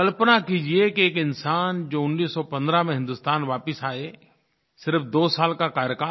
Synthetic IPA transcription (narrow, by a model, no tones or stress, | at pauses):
kɐlpənakid͡ʒiekieːkɪnsaːnd͡ʒoːʊnːiːsːɔpɐ̃nd̪ɾamẽɦɪ̃nd̪ʊst̪aːnʋaːpɪsaːe | sɪɾfd̪oːsaːlkakaːɾjəka